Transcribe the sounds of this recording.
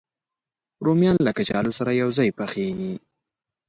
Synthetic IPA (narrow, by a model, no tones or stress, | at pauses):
ɾomjɑnlakat͡ʃɑlosaɾajawzɑjpaxeni